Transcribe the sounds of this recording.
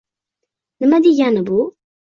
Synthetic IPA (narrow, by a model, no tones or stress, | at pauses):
nəmad̪ijanabu